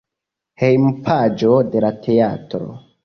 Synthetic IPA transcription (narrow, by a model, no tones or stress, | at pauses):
hejmpʰad͡ʒo̞de̞latʰe̞atɾo̰